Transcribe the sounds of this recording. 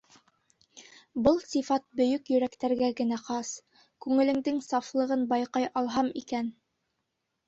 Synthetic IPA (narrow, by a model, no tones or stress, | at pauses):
bɤlˠsifɑt̪̚bɵ̆jɵkjɵ̆ɾækt̪æɾɡæɡɘ̆næqɑs | kʉŋɘ̆lɘ̆ŋd̪ɘŋsɑflˠɤ̆ʁɤnbɑjqɑjɑlˠɦɑmikæn